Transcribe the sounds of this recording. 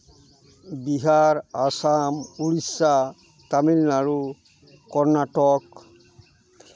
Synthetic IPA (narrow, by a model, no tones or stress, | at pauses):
biɦaɹasamuɹisa | tamilnaɹu | kɔɹnatɔk